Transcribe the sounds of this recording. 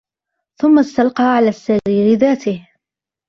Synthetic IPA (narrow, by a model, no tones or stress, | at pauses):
θʊmːast̪alqɑːʕalaːsːaɾiːɾɪðaːt̪ɪh